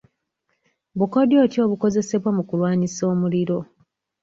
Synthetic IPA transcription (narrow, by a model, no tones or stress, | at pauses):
βuko̞djo̞ːtjo̞ːβuko̞ze̞se̞βwamukulwaːniso̞ːmuliɾo̞